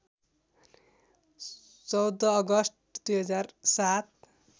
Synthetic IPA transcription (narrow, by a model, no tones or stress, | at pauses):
t͡sʌwd̪ʌːɡʌsʈ̚ | d̪ujɦʌd͡zarsat̪̚